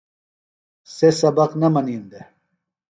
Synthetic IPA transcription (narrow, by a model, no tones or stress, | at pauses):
sesɐbɐqnɐmɐniːnd̪e